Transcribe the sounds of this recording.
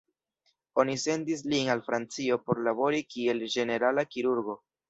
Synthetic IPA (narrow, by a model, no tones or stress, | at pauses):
o̞nise̞ndis̬linalfɾant͡sio̞po̞ɾlabo̞ɾikie̞ld͡ʒe̞ne̞ɾalakiɾuɾɡo̞